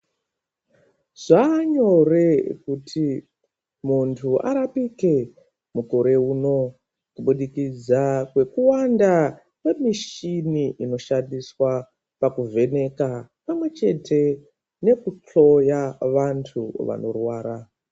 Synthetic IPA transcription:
ʐ̥aːɲo̞rekutʰi | muntʰua̰ɾapike̞ | muko̞ɾe̞uno̞ | kuɓuɗikid͡zakwe̞kuwanda | nemiʃiniʔino̞ʃandiswa | pakuvʱe̞ne̞kapamwe̞t͡ʃe̞tʰe̞ | ne̞kut͡ɬo̞jaʋantʰuʋa̰no̞rwaːɾa

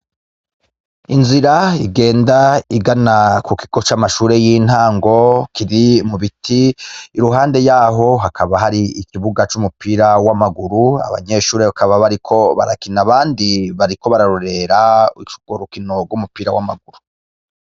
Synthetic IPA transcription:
inziɾaiɡe̞ːndaiɡanakuki̥ɡ̥ot͡ʃamaʃuːɾe̞jin̥haːŋɡo̞kʰiɾimuβitʰiːɾuɦaːnde̞jaːɦo̞ɦakʰaβaɦaɾiikiβuɡat͡ʃumupiːɾawamaɡuɾua̰βa̰ɲe̞ʃuːɾeβakaβaβaɾikʰo̞βa̰ɾakinaβaːndiβaɾiko̞βaɾaɾoɾe̞ɾaut͡ʃu̥ɡ̥oɾukino̞ɡwumupiːɾawa̰ma̰ɡuɾu

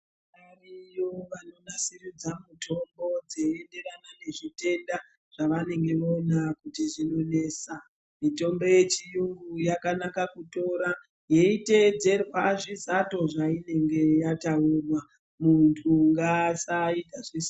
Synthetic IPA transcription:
arijoʋano̞nasirid͡zamutʰo̞mbo̞d͡zeende̞ranane̞ʐite̞nda | ʐ̥aʋane̞ŋɡe̞ʋonakutiʐino̞ne̞ːsa | mito̞mbo̞je̞t͡ʃijuŋɡujakanakakuto̞ːɾa | je̞ite̞d͡ze̞rwaʐizato̞ʐaine̞ŋɡe̞jataurwa | muntʰuŋɡasaitaʐis

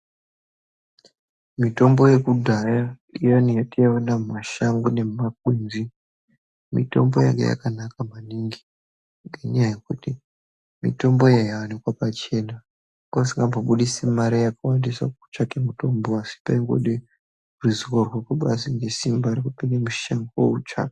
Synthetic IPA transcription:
mito̞mbo̞je̞kudʱaja | ijanijatijawanammaʃaŋɡune̞mak̚wunzi | mḭto̞̰mboja̰ŋɡḛja̰kanakamaniŋɡi | ŋɡeɲajajekuti | mḭto̞mbo̞jajawanikwapat͡ʃe̞na | kosiŋɡambʱoɓuɗisimaɾijakawandisa̰ut͡ʃakemuto̞mboasi̥paiŋɡo̰ɗe | rizikorwokuɓasiŋɡe̞simbaɾikupiɡemuʃaŋɡoout͡ʃa̰ke̥

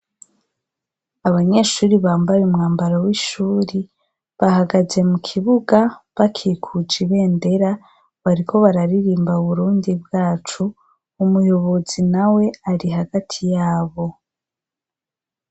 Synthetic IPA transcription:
aβaɲe̞ʃuːɾiβaːmbaɾeumŋaːmbaɾawiʃuːɾi | βahaɡaze̞mukʰiβuɡaβakʰiːkʰud͡ʒiβe̞ːnde̞ɾa | βaɾikʰo̞βaɾaɾiɾiːmbauβuɾuːndibɡaːt͡ʃuː | mujo̞βo̞zinawe̞aɾiɦaɡatʰijaːβo̞

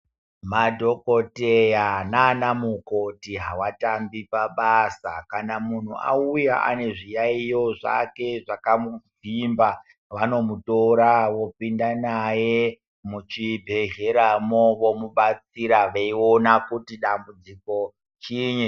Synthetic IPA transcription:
madʱo̞kotejananamukotiɦawatambipaɓasa̰kanamun̤ua̰ujaʔa̰ne̞ʐijaijo̞ʐa̰ke̞ʐakamuvimba | ʋano̞mutoɾaʋo̞pindanaje̞ | mut͡ʃibʱe̞ʒe̞ɾamoʋo̞muɓat͡siɾaʋeio̞nakutiɗambud͡ziko̞ | t͡ʃiɲe

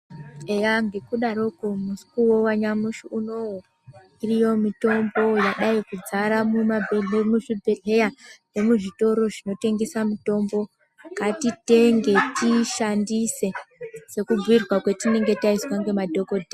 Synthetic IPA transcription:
ejaŋɡe̞kuɗaɾo̞komusi̥kuwowaɲamuʃiuno̞wo | irijo̞mito̞mbo̞jaɗaikud͡zaɾamumabʱeɮemuʐibʱeɮe̞jare̞muʐito̞ɾo̞ʐino̞te̞ŋɡesamuto̞mbo̞ | katite̞ŋɡe̞tiʃandise̞se̞kub͡vuirwakwe̞tine̞ŋɡe̞taizwaŋɡe̞madʱo̞kodʱe

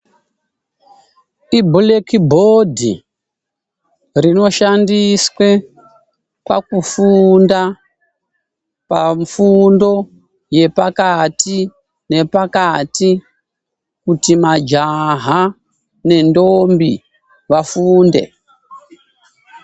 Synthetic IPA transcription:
ibʱulekibʱodʱḭ | rino̞ʃandiswe̞ | kwa̰kufunda | paɱfundo̞ | je̞pakati | ne̞pakati | kutimad͡ʒaɦa | ne̞ndo̞mbi | ʋafuːnde̞̰

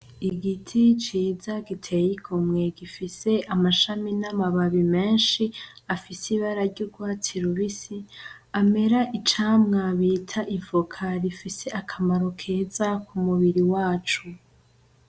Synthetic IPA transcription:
iɡitʰit͡ʃiːzaɡitʰe̞jikʰomŋe̞ɡifise̞ʔamaʃaminamaβaβime̞ːnʃiafisiβaɾaɾɟuɾɡwaːt͡siɾuβisi | ame̞ɾaʔit͡ʃaːmŋaβiːtʰaʔivukʰaɾifise̞ʔakʰamaɾo̞kʰe̞ːzakʰumuβiɾiwaːt͡ʃu

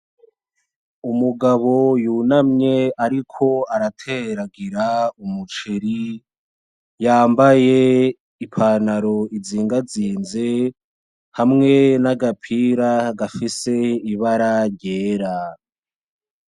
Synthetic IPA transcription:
umuɡaβo̞juːnamɲe̞aɾikʰo̞aɾatʰeɾaɡiɾaumut͡ʃiɾi | jaːmbaje | ipʰaːnaɾo̞iziːŋɡaziːnze̞ | hamŋe̞naɡapʰiɾaɡafise̞iβaɾaɾɟeːɾa

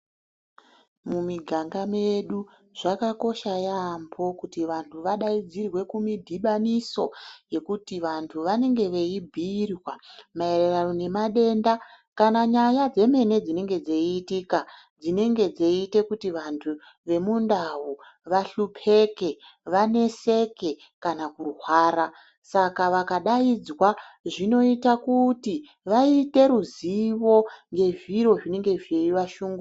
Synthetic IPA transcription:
mumiɡʱaŋɡameɗu | ʐ̥akako̞ʃajambo̞kutiʋantʰuʋaɗaid͡zirwe̞kumidʱiɓaniso̞je̞kutiʋantʰuʋane̞ŋɡe̞ʋe̞ibʱirwamae̞reranone̞maɗe̞nda | kanaɲajad͡ze̞me̞ne̞d͡zine̞ŋɡe̞d͡zeitika | d͡zine̞ŋɡe̞d͡zeite̞kutiʋantʰu | ʋe̞mundawu | ʋaɬupʰe̞ke̞ʋane̞se̞ke̞ | kanakuruɦwaːɾa | sakaʋakaɗaid͡zwaʐino̞itakuti | ʋaite̞ɾuziʋo̞ŋɡe̞ʐiɾo̞ʐine̞ŋɡe̞vieiʋaʃuːŋɡu

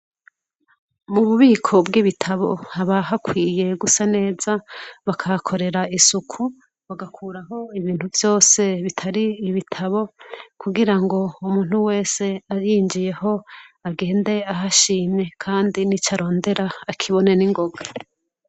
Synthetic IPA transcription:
muβuβiːkʰo̞bɡiβitʰaβo̞haβaɦakwiːje̞ɡusane̞ːz̥aβakʰakʰo̞ɾe̞ɾaisukʰu | βaɡakʰuːɾaɦo̞iβiːnhuvjo̞ːse̞βitʰaɾiːβitʰaβo̞kuɡiɾaŋɡo̞umuːn̥huwe̞ːse̞aɾiɲd͡ʒije̞ho̞aɡe̞ːnde̞aɦaʃiːɲe̞kʰaːndinit͡ʃaɾo̞ːnde̞ɾaːkʰiβo̞ne̞niŋɡo̞ɡa

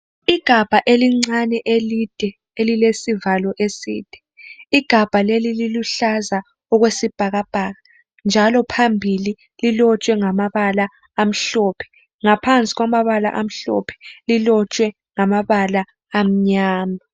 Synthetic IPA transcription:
iɡ̥ʱab̥ʱaʔeliŋ͡ǀanɛʔelid̥ʱɛ | elilesivalɔʔesḭːd̥ʱɛ̥ | iɡ̥ʱab̥ʱalelililuɬaza | ɔɣwesib̥ʱaɣab̥ʱaːɣa | nd͡ʒʱalɔpʰambʱili | lilɔt͡ʃʼwɛŋamaβala | am̩ɬɔːpʰɛ̥ | ŋapʰant͡sʼiɣwamaβala̰ʔam̩ɬɔ̰pʰɛ̥lilɔt͡ʃʼwɛ | ŋamaβalaː | m̩ɲaːma

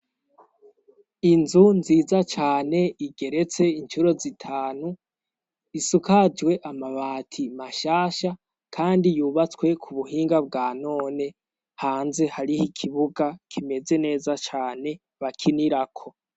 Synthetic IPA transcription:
inzunziːzat͡ʃaːne̞iɡe̞ɾe̞t͡se̞int͡ʃuɾo̞zitʰaːnu | isukad͡ʒwe̞ʔamaβaːtʰimaʃaːʃa | kʰaːndijuːβat͡swe̞kʰuβuhiːŋɡab̚ɡaːno̞ːne̞ | haːnze̞haɾihikʰiβuɡakʰime̞ze̞ne̞ːzat͡ʃaːne̞ | βakʰiniɾakʰo̞

